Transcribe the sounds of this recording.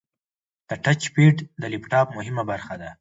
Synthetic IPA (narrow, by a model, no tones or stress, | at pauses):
d̪̥əʈat͡ʃpeʈd̪əlipʈɑpmʊɦɪmabaɾxad̪a